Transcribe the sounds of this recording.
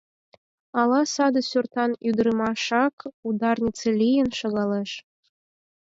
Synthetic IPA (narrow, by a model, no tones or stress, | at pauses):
ɑlˠɑsɑd̪ɤ̆sʲurt̪ɑnyd̪ɾɘmɑʃɑkud̪ɑrnʲit͡sĕlʲijənʃɤ̆ɣɑleʃ